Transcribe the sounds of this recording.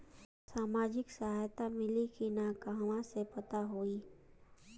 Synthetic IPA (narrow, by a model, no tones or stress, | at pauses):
saːmaːd͡ʒɪksɐɦaːjt̪amɪlikinakaɦʋãsepɐt̪aɦoːiː